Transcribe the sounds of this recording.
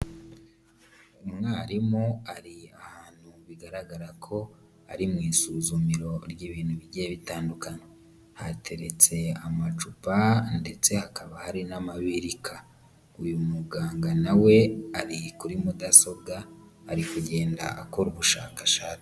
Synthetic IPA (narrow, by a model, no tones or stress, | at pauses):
umŋaːɾimoaɾiahaːn̥huβiɡaɾaɡaɾakʰo̞ | a̰ɾimŋiːsuzumiɾo̞ɾjiβiːnhuβiɟijeβitaːndukaɲe | ha̰tʰe̞ɾe̞t͡se̞amat͡ʃupande̞t͡se̞hakaβahaɾinamaβiɾikʰa | ujumuɡaːŋɡanawe̞aɾikuɾimudaso̞bɡaːɾikuɟe̞ːnda̰ʔakoɾuβuʃa̰ːkaʃaːt͡si̥